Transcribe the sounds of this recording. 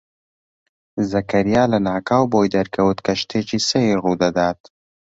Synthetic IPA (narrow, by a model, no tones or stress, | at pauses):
zakaɾijɑːlanɑːkɑːwbojd̪aɾkawət̪kaʃt̪ʰet͡ʃisəjeɣud̪ad̪ɑːd̪